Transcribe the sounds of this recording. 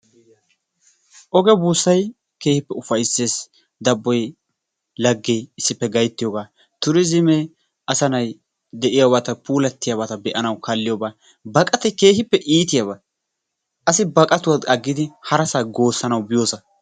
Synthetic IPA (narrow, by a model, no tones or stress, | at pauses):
ʔɔɡɛbuːsːɐj | ke̞ːhɪpːɛʊfɐjsːe̞ːs | d̪ɐbːɔj | lɐɡːejɪsːɪpːɛɡɐjt̪ːɪjoɡaː | t̪ʊɾɪzɪmɛ | ɐsɐnɐj | d̪ɛʔɪjabat̪ɐpuːlɐt̪ːɪjabɐt̪ɐbɛʔɐnɐwkɐlːɪjobaː | bɐkʼɐt̪ɛjke̞ːhɪpːɛʔiːt̪ɪjabɐ | ʔɐsɪbɐkʼɐt̪ʊwad̪ɐɡːɪd̪ɪhɐɾɐsaːɡo̞ːsːɐnɐwbɪjoːsɐ